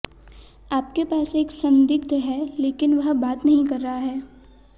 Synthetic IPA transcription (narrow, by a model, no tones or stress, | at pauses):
aːp̚kepaːseːksɐ̃nd̪ɪk̚t̪əɦɛleːkɪnʋɐɦbaːt̪nɐɦĩkɐɾːɐɦaɦɛː